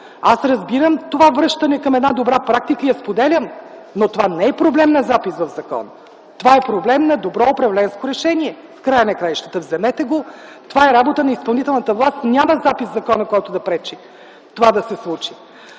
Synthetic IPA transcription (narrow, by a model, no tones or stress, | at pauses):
asɾɐzbiɾəmt̪ovavɾɤʃt̪ɐnɛkɐmɛd̪nad̪obɾapɾak̚t̪ikəijɐspod̪ɛlʲəm | not̪ovanɛːpɾoblɛmnɐzapisvɐvzɐkɔ̰nə | t̪ovaɛpɾoblɛmnɐd̪obɾɔʊpɾɐvlɛnskoɾɛʃɛniɛ | fkɾajənɐkɾaiʃt̪ət̪əvzɛmɛt̪ɛɡot̪ovaɛɾabot̪ənɐispɐlˠnit̪ɛlˠnət̪əvlˠast̪nʲaməzapiszɐkɔnəkɔjt̪ʊd̪ɐpɾɛt͡ʃi | t̪ovad̪ɐsɛslˠut͡ʃi̥